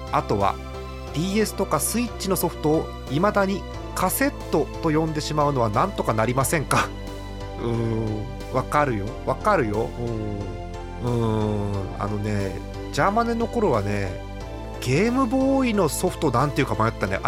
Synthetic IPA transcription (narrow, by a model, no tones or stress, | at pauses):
at̪o̞βa̰ | d̪̥ʲiːe̞sɨ̥t̪o̞kasɨit͡ɕːino̞so̞ɸɯ̟̥t̪o̞ː | imad̪aɲ̟i | kase̞t̪ːo̞t̪o̞jõ̞nd̪e̞ɕimaɯ̟no̞β̞anãnt̪o̞kanaɾʲimasẽ̞ŋka | ɯ̟̃ | βakaɾɯ̟jo̞βakaɾɯ̟jo̞̰ɯ̟̃ːɴ | ɯ̟̃ɴ | a̰no̞ne̞ | d͡ʑamaneno̞ko̞ɾo̞β̞ane̞ | ɡ̥e̞ːmɯ̟bo̞ːino̞so̞ɸɯ̥t̪o̞nãnt̪e̞iɯ̟kamajot̪t̪ːanḛʔ